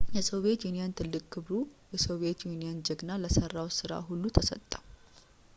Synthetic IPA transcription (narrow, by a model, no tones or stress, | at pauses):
jɛsoβe̞t̪junijant̪ʰɨlːɨkʼkʰːɨβɾujɛsoβiet̪junijand͡ʒəɡnalːəsərːawsɨɾa̰ɦulːut̪ʰəsə̰t̪ʼːa